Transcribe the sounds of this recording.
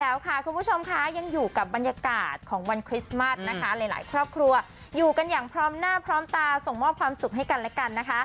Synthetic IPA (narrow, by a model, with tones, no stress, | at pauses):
lɛː˦˥wkʰa˥˩kʰu˧mpʰu˦˥˩t͡ɕʰo˧mkʰa˦˥ja˧ŋjuː˨˩ka˨˩p̚ba˧njaː˧kaː˨˩t̪̚kʰɔː˩˦ŋwa˧nkʰɾi˦˥sma˦˥˩sna˦˥kʰa˦˥la˧˩jla̰ː˩˦jkʰɾɔː˥˩p̚kʰɾu˧ɐ | juː˨˩ka˧njaː˨˩ŋpʰɾɔː˦˥mnaː˥˩pʰɾɔː˦˥mt̪aː˧so˨˩ŋmɔː˥˩p̚kʰwaː˧msu˨˩k̚ɦa˥˩jka˧nlɛː˦˥ka˧nːa˦˥kʰa˦˥